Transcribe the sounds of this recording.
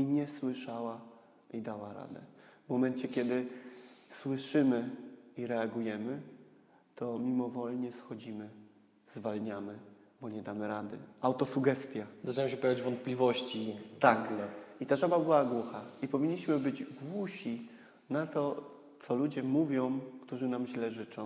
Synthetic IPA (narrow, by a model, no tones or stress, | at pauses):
iɲɛswɘʂawa | id̪awaɾa̰d̪ɛ̰vmɔmɛnt͡ɕɛkʲjɛd̪ɘ | swɘʂɘmɘiɾɛaɡujɛmɘ | t̪ɔmʲimɔvɔlɲɛsxɔd͡ʑimɘ | zvalɲamɘbɔɲɛd̪amɘɾad̪ɘ̰awt̪ɔsuɡɛst̪ʲjazaʈ͡ʂɨnaɛmɕɛpɔjavʲjad͡ʑvɔnt̪̚pʲlʲivɔɕt͡ɕit̪akit̪aʐɔbabɘwaɡwɔxaipɔvʲiɲːiɕmɘbɘd͡ʑɡwuɕi | nat̪ɔ | t̪sɔlud͡ʑɛmuvʲjɔ̃w̃kt̪uʐɘnamʑlɛʐɘt͡ʂɔ̃w̃